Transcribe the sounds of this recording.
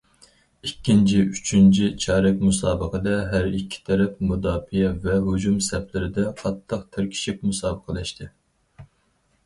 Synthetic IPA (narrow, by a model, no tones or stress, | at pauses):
ikʲːint͡ʃʰiyt͡ʃʰynt͡ʃʰit͡ʃʰɑːɾɛkʲmusɑːbəqəd̪ɛɦæɾikʲʰːi̥t̪ʰɛɾɛpmud̪ɑːfijɛvɛɦud͡ʒumsɛplɪɾɪd̪ɛqʰɑt̪ʰːəqt̪ʰɪɾkʲʰi̥ʃik̚ʲmusɑːbəqʰəlɛʃt̪ʰɪ